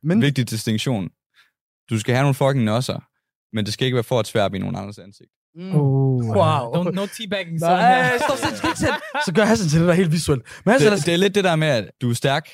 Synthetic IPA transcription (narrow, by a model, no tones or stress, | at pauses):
menʋe̝ɡ̥̚d̥id̥isd̥eŋɕo̝̰ːn | d̥usɡ̥æhæno̝ːn̩fɒ̽ɡ̥nɒsɐ | mend̥e̝sɡ̥æe̝ɡ̥ʋæɐfɒ̥ːsʰʋæɐ̰b̥ino̝ːn̩ɑ̈nd̥ɐsænseɡ̥̚d̥ | waʊonotʰibækɪ̃ŋsdɔse̥sɡ̥eɡ̥t͡sʰensɒ̽ɡ̥ɶɐɦæsənt͡sʰeld̥edæɐḛːldʋisuel̰d̥menhæsd̥e̝æɐled̥̚ːe̝ɾæɐmeæd̥uæɐsd̥æɐɡ̥